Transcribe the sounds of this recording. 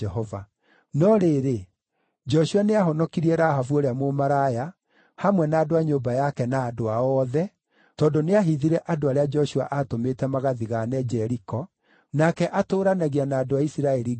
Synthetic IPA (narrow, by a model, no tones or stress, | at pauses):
ɛɦɔva̰ | nɔɾeɾe | d͡ʒɔʃuaneaɦɔnɔkiɾiɛɾaɦavuoɾeamomaɾaja | hamwɛnaːdoaɲombajakɛnaːdoaɔðɛ | tɔːndoneaɦiðiɾɛʔadoaɾead͡ʒɛɔʃuaʔatometɛmaɣaðiɣanɛd͡ʒɛɾikɔ | nakɛʔatoːɾanaɣianaːdoaisiɾaɛɾi